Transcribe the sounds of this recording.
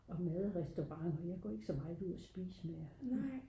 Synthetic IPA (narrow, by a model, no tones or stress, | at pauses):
ɒ̽mɛðˠʁɛsd̥oʁɑ̈ŋ̰ɒ̽jɑ̈ɪɡ̥ɒ̰ːe̝ɡ̥ə̥sɒ̽mɑ̈ɪd̥ˠuð̞̰ˠɒsb̥ḭːsəmej